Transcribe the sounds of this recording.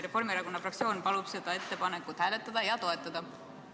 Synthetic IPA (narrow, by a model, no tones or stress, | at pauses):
ɾe̞fo̞rmieɾɑko̞nːɑfrɑk̚tsijo̞ːnpɑlub̥se̞d̪̥ɑe̞t̪ːe̞pɑne̞kːut̪hæːle̞t̪ːˑɑd̪̥ɑjɑt̪o̞e̞t̪ːˑɑd̪̥ɑ